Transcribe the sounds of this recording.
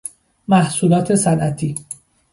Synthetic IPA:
mæhsuːlɒːt̪ʰe̞sænʔæt̪ʰiː

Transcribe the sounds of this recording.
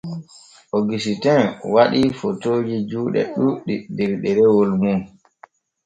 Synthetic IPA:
ʔɔɡisitɛnwaɗifotoːd͡ʒid͡ʒuːɗɛ̰ɗuɗidɛɾɗɛɾɛwolmun

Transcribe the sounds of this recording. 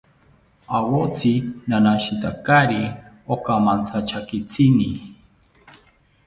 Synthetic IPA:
awot͡sinanaʃit̪akaɾi | okamant͡sʰat͡ʃʰakit͡sini

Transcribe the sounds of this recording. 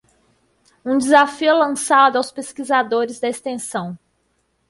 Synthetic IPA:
ũd͡ʒɪzafiʊlɐ̃sad̪ʊawspeskizad̪oɾɪzd̪ɐest̪ẽsɐ̃w̃

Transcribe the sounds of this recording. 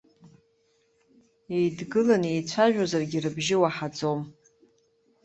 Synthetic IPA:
e̞jdɡɨlane̞jt͡ɕʷʰaʒᶣozarɡʲirɨbʒɪwaħad͡zom

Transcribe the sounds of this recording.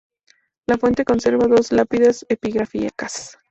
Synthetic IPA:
lafwe̞nt̪e̞ko̞nse̞ɾβaðo̞zlapiðesepiɣɾafia̰kas

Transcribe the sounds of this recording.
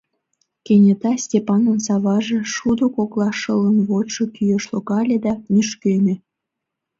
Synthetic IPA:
kenʲet̪ɑsʲtʲepɑnənsɑβɑʒĕʃud̪okoklɑʃələnβoʃokyjeʃloɣɑlʲed̪ɑnyʃkømʲe

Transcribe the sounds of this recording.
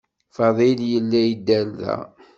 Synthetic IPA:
fɑðˤiljəlːæjəd̪ːælðæ̰

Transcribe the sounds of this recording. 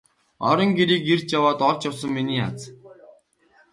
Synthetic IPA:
ɔɾɞ̆ŋɡeɾiːkert͡ɕjawaːt̪ɔɮt͡ɕjawsə̆ŋminiːa̰t͡s

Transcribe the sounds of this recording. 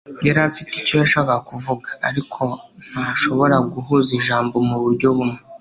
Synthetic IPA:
ɟeɾafitico̞jaʃakaakuvuɡaaɾikʰo̞n̥haʃo̞βo̞ɾaɡuɦuziʒaːmbo̞muβuɾɟo̞βume

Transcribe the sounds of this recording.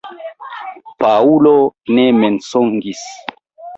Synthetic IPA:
paulonemensoŋɡis

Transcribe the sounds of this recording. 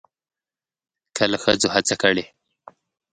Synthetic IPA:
kəlaxəd͡zohat͡sakəɽe

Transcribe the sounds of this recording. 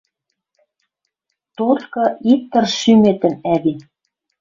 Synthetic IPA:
t̪ot̪kɤ̆ʔik̚t̪ːɤ̆rʃymet̪ə̆mæβin

